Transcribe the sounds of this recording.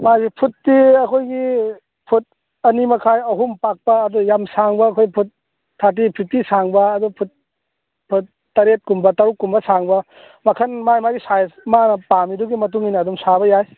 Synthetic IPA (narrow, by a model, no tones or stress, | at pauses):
majɡipʰutːiɐkʰojɡi | pʰut̚ | ɐnimɐkʰajɐɦumpak̚pɐːdujamsaŋbɐːkʰojpʰut̚ʰː | at̬ipʰitːisaŋbɐːdupʰut̚ | pʰutː | ɐɾet̚kumbɐtɐɾukːumbɐsaŋbɐ | mɐkʰɐnmajmajɡisajmanɐpamiduɡimɐt̬uŋinɐːduŋsabɐjaj